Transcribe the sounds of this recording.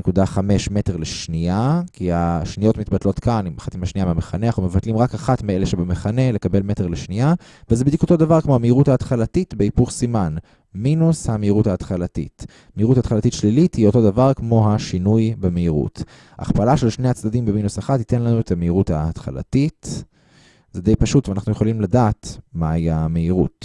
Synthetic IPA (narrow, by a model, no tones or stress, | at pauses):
nekudaχame̞ʃme̞teʁleʃnijakiaʃnijo̞tmit̪̚batlo̞tkanimaχat̪imaʃnijameameχaneaχnumevatlimʁakaχatmeeleʃebemeχane̞le̞kabe̞lme̞te̞ʁleʃnia | vezebed̪iko̞t̪o̞davaʁkmoameiʁuthaːtχalatitbeipuχsiman | minushameiʁuthaːtχalatḭt | meiʁutaːt̪χalatitʃlilithio̞to̞davaʁkmo̞ɦaʃinujbemeiʁṵt | a̰ːχpalaʃe̞lʃnejat͡sdadimbeminusaχathit̪e̞nlanuet̪hameiʁuthat̪χa̰la̰tit | zed̪e̞jpaʃutveanaχnujeχolimladaːtmaiameiʁṵt